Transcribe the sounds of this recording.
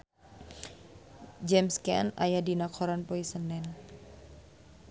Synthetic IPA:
d͡ʒɛmskɛ̰na̰jadinakʰɔɾanpoisənɛn

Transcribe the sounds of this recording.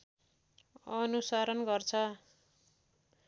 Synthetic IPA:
ʌnusaɾʌnɡʌrt͡sʰʌ

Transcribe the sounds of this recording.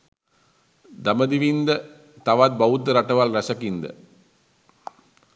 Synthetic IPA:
d̪ɐmɐd̪iʋind̪ə | t̪ɐʋat̪̚bɐut̪ːəɾɐʈɐʋalɾɐsɐkind̪ə̰

